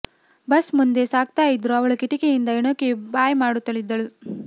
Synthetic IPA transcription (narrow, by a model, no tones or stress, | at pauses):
bɐsmund̪e̞saːɡ̚t̪aːjid̪ɾuɐʋɐɭukiʈikejind̪ɐiɳoːkebaːjmaːɽut̪ːɐɭid̪ːɐɭu